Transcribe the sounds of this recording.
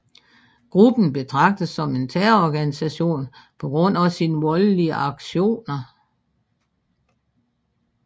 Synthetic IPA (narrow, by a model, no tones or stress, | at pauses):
ɡ̥ʁub̥n̩b̥e̝t͡sʰʁɑ̈ɡ̥̚d̥əsɒ̽me̝nt͡sʰæːɐɒɡ̥ænisæɕo̝̰ːnpʰɒ̽ɡ̥ʁɔ̽n̰æsiːnəʋɒləliəʔɑ̈ɡ̥ɕo̝̰ːnɐ